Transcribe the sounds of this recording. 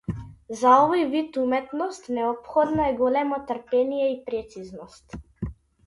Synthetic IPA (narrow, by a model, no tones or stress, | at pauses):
zaɔvɔjvit̪umɛt̪nɔst̪nɛɔpxɔd̪nɔɛɡɔlɛmɔt̪rpɛnijɛipɾɛt̪siznɔst̪